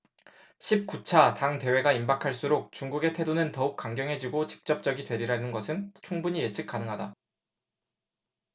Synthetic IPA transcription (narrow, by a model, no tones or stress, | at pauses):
ɕʰip̚k͈ut͡ɕʰataŋte̞we̞ɡaimbakʰaɭs͈uɾok̚t͡ɕuŋɡuɡe̞tʰe̞donɯntʌuk̚k͈aŋɡjʌŋɦe̞d͡ʑiɡot͡ɕi̥k̚t͡ɕ͈ʌp̚t͡ɕ͈ʌɡidwe̞ɾiɾaɦenɯnɡʌsʰɯnt͡ɕʰuŋbuɲije̞t͡ɕʰɯk̚k͈anɯŋɦada